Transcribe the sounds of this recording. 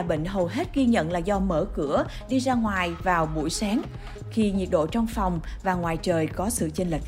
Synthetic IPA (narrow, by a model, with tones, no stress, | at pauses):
ɓḛ˧˨ŋ̟ɦə˨˩wɦe˦˥t̚ɣi˧ɲə̰˧˨nlaː˨˩zɔ˧məː˧˩kɨ˧˩ə | ɗi˧zaː˧ŋwaː˨˩jvaː˨˩wɓṵ˧˩jsaː˨˦ŋ | xi˧ɲi˨˩ət̚ɗo̰˧˨t͡ɕɔ˧wŋ͡mfɔ˨˩wŋ͡mvaː˨˩ŋwaː˨˩jt͡ɕəː˨˩jkɔ˨˦sɨ̰˧˨t͡ɕə˧nli˨˩k̚